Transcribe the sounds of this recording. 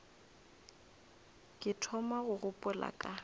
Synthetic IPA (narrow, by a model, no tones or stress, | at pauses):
kʼɪtʰɔmaɣʊɣʊpʼʊla̰kʼa